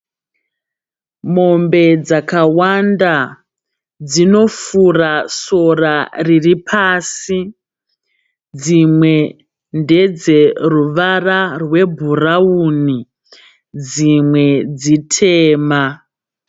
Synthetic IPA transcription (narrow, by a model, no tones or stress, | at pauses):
mo̞mbe̞d͡zakawanda | d͡zino̞furaso̞rariripʰaːsi | d͡zimwe̞ | nde̞d͡ze̞ruʋararwe̞bʱurauni | d͡zimwe̞d͡zitʰeːma